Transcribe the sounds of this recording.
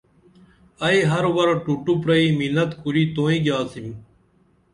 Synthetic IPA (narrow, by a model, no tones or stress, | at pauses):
əiːɦəɾʋəɾʈuːʈuːpɾəiːminət̪kʊɾiːt̪oːĩːɡjaːsim